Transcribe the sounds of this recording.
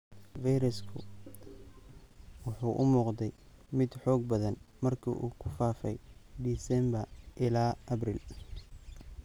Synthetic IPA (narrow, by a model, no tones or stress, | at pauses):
vijɾɪskʰʊ̰ | wʊħuːʔʊmuːqd̪ɛjmɪd̪ħɔːɡ̚bɐðɐnmɐrkʰḭʔuːkʰʊfaːfɛjd̪iːsɛmbɐrʔɪlaːʔɐbriːl